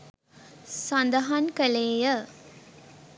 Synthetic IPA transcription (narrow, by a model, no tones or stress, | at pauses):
sand̪ɐɦankəleːjə